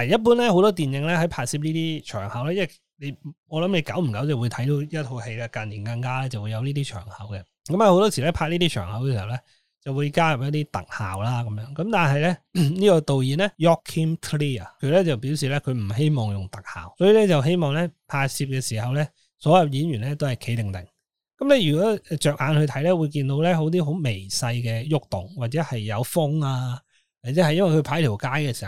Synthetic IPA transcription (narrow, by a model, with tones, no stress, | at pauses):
a˨˩jɐ˥t̚p̬uː˥nlɛ˥ho˨˧˥wt̪ɔː˥t̪̬iː˨˩njɪ˨˧ŋlɛ˥hɐ˨˧˥jpʰaː˧t̚si˧p̚liː˥t̪iː˥t͡ʃʰœː˨˩ŋhɐ˨˥wlaː˥jɐ˥nw | ne˨˧j | ɔː˨˧lɐ˨˥mle˨˧jka˨˥wm̩˨˩kɐ˨˥wt͡sɐ˨wuː˨˧jt̪ʰɐ˨˥jt̪o˨˧wjɐ˥t̪̚ʰo˧whe˧jla˧kɐ˨nliː˨˩nka˧ŋkaː˥lɛː˥t͡sɐ˨wu˨˧jɐ˨˧wliː˥t̪iː˥t͡ʃʰœ̰ː˨˩ŋhɐ̰˨˥wkɛ˧ | kɐ˨˥mɐ˨˧ho˨˥wt̪ɔː˥siː˨˩lɛ˥pʰaː˧t̚liː˥t̪iː˥t͡ʃʰœː˨˩ŋhɐ˨˥wɛː˧si˨˩hɐ˨˩wlɛ˥ | t͡sɐ˨˩wuː˨˧jkaː˥jɐ˨p̚jɐ˥t̚t̪iː˥t̪ɐ̰˨k̚ha̰ː˨wlaː˥kɐ˨˦mjœː˨˥ŋkɐ˨˥mt̪aː˨˩nɦɐ˨jlɛ˥niː˥kɔː˧t̪o˨wjiː˨˩nɛ˥jɔː˥kʰːi˥mtʰliː˥˩ɐ˨kʰɵ˨˧lɛ˥t͡sɐ˨wpi˨˥wsiː˨lɛː˥kʰɵ˨˧ɥm̩˨˩ɦe˥jmɔː˨˩ŋjʊ˨ŋt̪ɐ˨k̚ha̰ː˨˩wsɔː˨˥jiː˨lɛ˥t͡sɐ˨wɦe˥jmɔː˨ŋlɛ˥pʰaː˧siː˧p̚kɛː˧siː˨˩hɐ˨wlɛ˥ | sɔː˨˥jɐ˨˧wjiː˨˥njyː˨˩nlɛ˦˥t̪o˥whɐ˨jkʰe˨˥t̪ɪ˨˩ŋt̪ɪ˨˩ŋ | kɐ˨˥mlɛ˥ɥy˨˩kɔː˨˦˥ɛ˧t͡ʃœː˨k̚ʔaː˨˧nhɵ˧t̪ʰɐ˨˥jlɛː˥wuː˨˧jk̬iː˧nt̪o˨˧wlɛ˥ɦo˨˥wt̪̬iː˥ɦo˨˥wme˨˩jsɐ˧jkɛː˧jʊ˥k̚t̪ʊ˨˩ŋwaː˨t̚t͡sɛː˨˥hɐ˨jːɐ˨˧wfʊ˥ŋaː˧ | a˨t͡sɛ˨˥ɐ˨jɐ˥nwɐ˨jkʰpʰaː˨˥jt̪ʰiː˨˩wkaː˥jkɛː˧si˨˩˨w